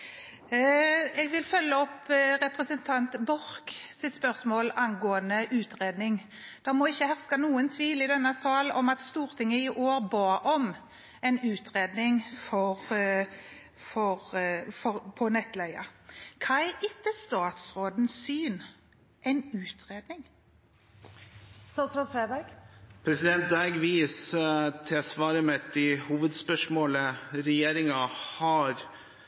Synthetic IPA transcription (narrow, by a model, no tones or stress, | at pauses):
ɛːɡʋɪlfœlːəɔpːʁɛpʁəsənt̪ʰɑnt̪bɔʁksɪt̪spœʁsmoːlɑnɡoːənəʔʉːt̪ʁeːd̪nɪŋ | d̪̥ɑmɔɪçːəhæʁskɑnuːənt̪ʰʋiːlɪd̪ɛnːɑsɑːlɔmɑt̪st̪uːʁt̪ʰɪŋːəɪʔoːɾbɑːʔɔm | ɛɪnʉːt̪ʁeːd̪nɪŋfɔʁ | fɔɾfɔpʰɔnɛt̪læɪɑ̰kʰɑːæʔɪt̪ːəst̪ɑːt̪sɾoːd̪n̩syːn | ʔɛɪnʉːt̪ʰʁeːd̪nɪŋ | sɑsɑfɾeːbæɡpʰɾɛsɪd̪ɛnt̪̚d̪ɑɡʋiːst̪ʰɛsʋɑːɾəmɛt̪̚d̪ɪhuːʋəd̪spœʂmoːləɾɛjeːɾɪŋɑhɑɾ